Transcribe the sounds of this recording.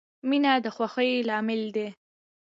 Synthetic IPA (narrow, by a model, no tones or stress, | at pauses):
minad̪əxwaxəjlɑmɪld̪e